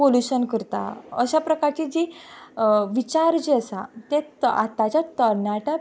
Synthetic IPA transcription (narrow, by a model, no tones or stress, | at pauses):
oluɕənkəɾt̪a̰ə̰ɕapɾəkaɾt͡ɕid͡ʑi | ʋit͡ɕaɾd͡ʑeəsa̰t̪ea̰t̪at͡ɕat̪əɾɳaʈa